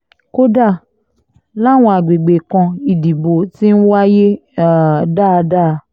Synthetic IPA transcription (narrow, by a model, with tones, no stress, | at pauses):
ko˦da˦˨ | la˦˨w̃ɔ̃˧˨a˨ɡ͡be˨ɡ͡be˨kã˧i˦˨di˨bo˨˦ti˦n̩˦wa˦je˦˨ | da˦˨˧da˦˧